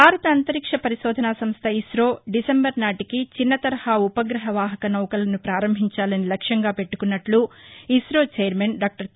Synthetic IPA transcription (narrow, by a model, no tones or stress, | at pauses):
bʱaːɾɐt̪ɐːnt̪ɐɾikʂɐpɐɾiʃɔːd̪ʱɐnaːsɐmst̪ʰɐisɾoːɖisembɐɾnaːʈikit͡ʃinːɐt̪ɐɾɐhaupɐɡɾɐɦɐʋaːɦɐkɐnɐwkɐlɐnupɾaːɾɐmbʱiɲt͡ʃaːlɐnilɐkʂjɐŋɡaːpe̞ʈːu̥kunːɐʈluisɾoːt͡ʃeːjɐɾmeːnɖaːk̚ʈɐɾ